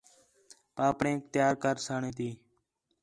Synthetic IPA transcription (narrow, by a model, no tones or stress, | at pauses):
paːpɳẽːk̚t̪ɪjaːɾkəɾsaːɳẽːt̪iː